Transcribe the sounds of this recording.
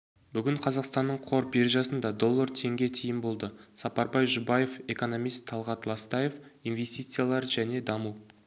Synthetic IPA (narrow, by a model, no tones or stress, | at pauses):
bʏɡʲɪɴqʰɑzɑqst̪ɑnːəɴqʰo̞ɾpje̞ɾʒɑsənd̪ɑd̪o̞lˠːəɾt̪ʰe̞ŋɡʲe̞t̪ʰijɪnbo̞lˠd̪əsɑpɑɾbɑjʒʊbɑje̞fe̞ko̞no̞mijst̪ʰːɑlˠʁɑt̪lˠɑst̪ɑje̞finve̞st̪it̪sɨjalˠɑɾʒæne̞d̪ɑməw